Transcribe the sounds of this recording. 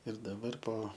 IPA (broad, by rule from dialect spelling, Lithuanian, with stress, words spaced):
ɪr dɐˈbɐr poː